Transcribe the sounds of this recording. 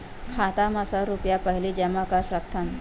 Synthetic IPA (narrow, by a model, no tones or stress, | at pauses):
kʰat̪amasaɾupjapəɦilid͡ʒɐmakaʃɐkt̪ʰan